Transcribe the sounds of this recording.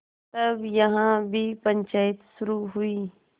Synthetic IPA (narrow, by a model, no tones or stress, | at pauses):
t̪ɐbjɐɦãːbʱipə̃ɲt͡ʃaːɪt̪sʊɾuːɦʊiː